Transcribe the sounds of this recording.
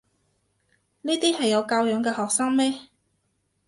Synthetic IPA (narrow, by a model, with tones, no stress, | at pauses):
niː˥t̪iː˥hɐ˨jːɐ˨˧wkaː˧wjœː˨˧˥ŋkɛː˧hɔː˨k̚saː˥ŋmɛː˥